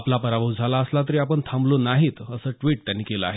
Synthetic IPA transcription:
aplapəɾabəwd͡zʱalaəslat̪̬əɾiːapəɳt̪ʰãmblonaɦiːt̪əsəːʈʋiːʈ̚t̪janːiːkeləaɦe

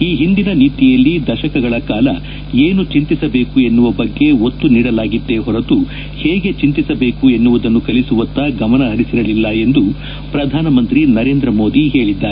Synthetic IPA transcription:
iːɦind̪inɐniːt̪ijɐlːid̪ɐʃɐkɐɡɐɭɐkaːlɐ̰ | eːnut͡ʃint̪isɐbeːkue̞nːuʋɐbɐɡːe̞ot̪ːuniːɽɐlaːɡid̪ːe̞ɦɔɾɐt̪u | heːɡe̞t͡ʃint̪isɐbe̞ːkue̞nːuʋud̪ɐnːukɐlisuʋɐnt̪ːɐɡɐmɐnɐɦɐɾisiɾɐlilːɐe̞nd̪u | pɾɐd̪ʱaːnɐmɐnt̪ɾinɐɾe̞ːnd̪ɾɐmo̞ːd̪iɦe̞ːɭid̪ːaːɾe

